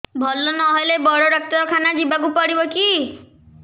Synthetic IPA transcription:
bʱɔlːɔnɔɦojlebɔɽɔɾɔk̚t̪ɔɾɔkʰanad͡ʒibak̬upɔɽibɔki

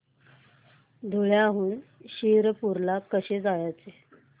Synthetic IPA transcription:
d̪ʱoɭjaɦuːnɕiɾəpuɾlakəɕed͡zajat͡se

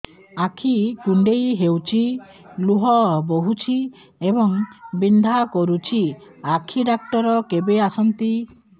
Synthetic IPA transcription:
akʰikuɳɖejɦewt͡ʃʰi | luɦɔboɦut͡ʃʰi | ebɔŋbind̪ʱakɔɾut͡ʃʰiakʰiɖak̚ʈɔɾɔkebeasɔnt̪i

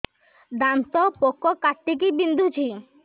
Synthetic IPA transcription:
d̪ant̪ɔpokːɔkaʈːik̬ibind̪ʱut͡ɕʰi

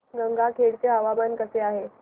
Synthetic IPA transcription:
ɡəŋɡʱakʰeɽt͡seɦaʋamankəseaɦe

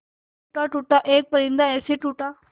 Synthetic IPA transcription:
uʈaʈuːʈaʔeːk̚pəɾĩnd̪aeːsiʈuːʈa

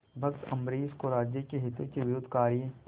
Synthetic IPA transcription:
bʱɐkt̪ɐmɾeːskoɾaːd͡ʒjəkeɦɪt̪ekiʋɪɾʊd̪ʱkaːɾjẽ

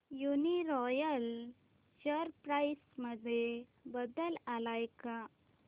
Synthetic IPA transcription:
juniɾɔjəl | ɕəɾpɾaisməd̪ʱebəd̪əlalajka

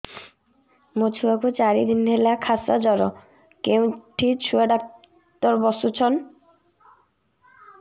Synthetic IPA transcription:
mot͡ɕʰuakut͡ɕaɾid̪inɦelakʰasa̰d͡ʑɔɾɔ | kewʈʰit͡ɕʰueɖak̚ | t̪ɔɾbɔsut͡ɕʰɔn

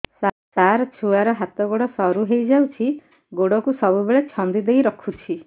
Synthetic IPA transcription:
s | saɾɔt͡ʃʰuaɾɔɦat̪ɔɡoɽɔsɔɾuɦejd͡ʒawt͡ʃʰi | ɡoɽɔkusɔbubeɭet͡ʃʰɔnd̪id̪ejɾɔkʰut͡ʃʰi

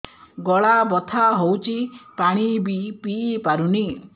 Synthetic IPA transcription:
ɡɔɭabɔt̪ʰaɦowt͡ʃʰipaɽ̃ibipiːpaɾuni

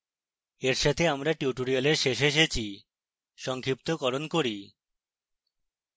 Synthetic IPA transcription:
eɾʃat̪ʰeamɾaʈjuʈoɾialeɾʃeʃ̬eʃ̬et͡ɕʰi | ʃɔŋkʰɾip̚t̪okɔɾonkoɾi

